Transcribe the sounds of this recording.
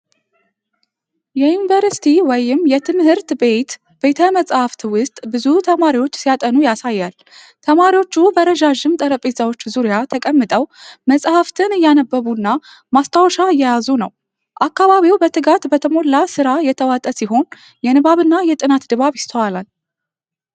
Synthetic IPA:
jɛjunvəɾsi̥t̪ʰiwɔjɪmjɛt̪ʰɨmhɨɾt̪be̞t̪ | b̥e̞t̪ʰəməsʼhaft̪ʰwʊst̪ʼbɨzut̪ʰəmaɾiwo̞t͡ʃːsijat̪ʼənujasajːal | t̪ʰəmaɾiwo̞t͡ʃːubəɾəʒaʒɨmt̪ʼəɾəpʼezawo̞t͡ʃːzuɾijat̪ʰəkʼəmːɨt̪ʼəwməsʼhaft̪ʰɨnɨjːanəbːəβunːa | mast̪ʰawʃaɨjːɛjazunə̰w | ʔakːaβaβiwbət̪ʰɨɡat̪bət̪ʰəmo̞lːasɨɾajɛt̪ʰəwat̪ʼəsiɦo̞n | jɛnɨβaβɨnːajɛt̪ʼɨnat̪d̪ɨβaβjɪst̪ʰəwalal

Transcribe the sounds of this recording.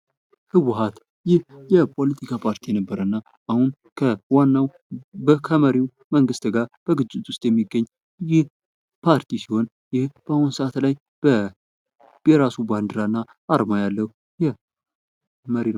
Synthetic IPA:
hɨwʊɦat̪ | jɪhjɛpʰo̞lət̪ʰikʰapʰaɾt̪ʰijɛnəbːəɾənːa | ʔahun | kʰəwanːaw | bəkʰəməɾiw | məŋɡɨst̪ɡaɾb̥əɡɨd͡ʒːɪt̪wʊst̪ʼjɛmːiɡːəɲː | jɪh | pʰaɾt̪isiho̞n | jɪhb̥əahunsəʔat̪laj | b̥ə | bɛɾasuband̪ɨɾanːa | ʔaɾmajalːəhu | jɛ | məɾin

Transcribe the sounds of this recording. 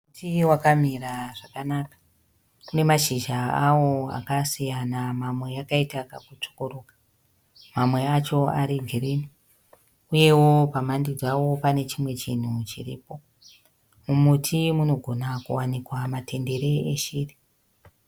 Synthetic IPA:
utiwakamiraʐakanaːkḁ | une̞maʃiʒaawo̞a̰kasijanamamwe̞jakaitaka̰kut͡ʂo̥ko̞ɾoːkḁ | mamwe̞at͡ʃo̞aɾiɡʱireni | uje̞wopamandid͡zawo̞pane̞t͡ʃimwe̞t͡ʃin̤ut͡ʃḭrḭːpo̞ | mumutʰimuno̞ɡʱo̞nakuwanikwamatʰe̞nde̞ɾe̞eʃiːri

